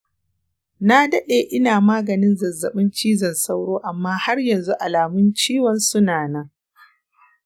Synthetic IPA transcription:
na˦dɐ˦ɗeː˨ʔɪ˦naː˨maː˦ɡɐ˨nɪ˦nzɐ˨zːɐ˨ɓɪ˦nt͡ʃiː˦zɐ˨nsa˦wɽoː˦ʔa˨mːaː˦ha˦rjɐ˨nzu˦ʔa˨laː˨mʊ˦nt͡ʃiː˦wɐ˨nsʊ˦naː˨nɐ˦ŋ

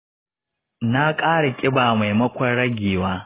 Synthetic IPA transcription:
na˦kʼaː˦ɽa˨kʲʼɪ˦baː˨ma˨jmɐ˦kʷɐ˦ɽɐ˦ɡʲeː˨waː˦

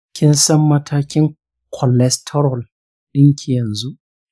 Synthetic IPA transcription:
kʲʰɪ˦nsɐ˦mːɐ˦tʰaː˦kʲɪ˦ŋ | kʰɔ˨lɛ˦stʰɔ˦ɾɔ˨l | ɗɪ˦ŋkʲʰe˨jɐ˨nzu˦ʔ

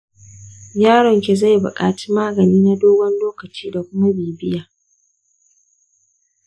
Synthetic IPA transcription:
jaː˦ɽɔ˨ŋkʲe˨za˦˨jbʊ̰˨kʼa̰ː˨t͡ʃi̥˦maː˦ɡɐ˨niː˦na˦doː˦ɡʷɔ˦nloː˦kɐ˨t͡ʃiː˦da˨kʷʊ˦ma˦beː˨bɪ˦jaː˨

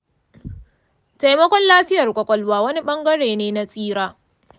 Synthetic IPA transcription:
ta˨jmɐ˦kʷɔ˦nlaː˦ɸɪ˦jɐ˨rkʷʼɔ˨kʷʼɔ˨lwaː˦wɐ˦ni˦ɓɐ˦ŋɡɐ˦ɽeː˨neː˦na˦sʼiː˦ɽaː˦

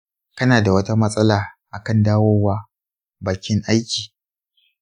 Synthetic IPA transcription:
kɐ˦naː˨da˨wɐ˦ta˦mɐ˦sʼɐ˦laː˨ʔa˨kɐ˦˨ndaː˦woː˦waː˦ | baː˨kʲɪ˦ŋʔa˦jkʲiː˨

